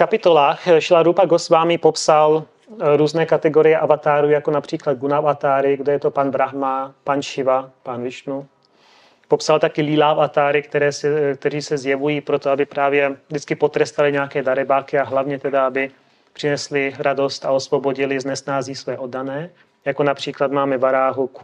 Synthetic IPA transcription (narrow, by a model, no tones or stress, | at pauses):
fkapɪt̪o̞laːxʃlaɾupaɡosvaːmɪpopsal | ɾuːznɛːkat̪ɛɡoɾɪjɛʔavat̪aːɾuːjakonapr̝̥iːklad̪̚ɡunafat̪aːɾɪɡdɛjɛt̪o̞panbɾaɦmapanʃɪvapanvɪʃnu | popsalt̪akɪliːlaːfat̪aːɾɪkt̪ɛɾɛːsɛk̚t̪ɛriːsɛzjɛvujiːpɾot̪oabɪpɾaːvjɛvdɪt͡skɪpo̞t̪ɾɛst̪alɪɲɛakɛːdaɾɛbaːkɪaɦlavɲɛt̪ɛdaabɪ | pr̥ɪnɛslɪɾado̞st̪aosvo̞boɟɪlɪznɛsnaːziːsvɛːʔodːanɛː | jakonapr̥iːklat̪maːmɛvaɾaːɦuk